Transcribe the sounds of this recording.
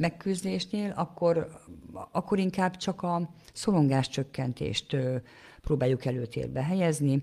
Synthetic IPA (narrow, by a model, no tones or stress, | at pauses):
mɛkːyzd̪eːʃneːlʔɒkːor | ɒkːo̞ɾiŋkaːbt͡ʃɒkɒso̞lo̞ŋɡaːʃt͡ʃø̞kːɛnt̪ḛːʃt̪ | proːbaːjukɛløːt̪ʰḛːrbɛɦɛjɛzni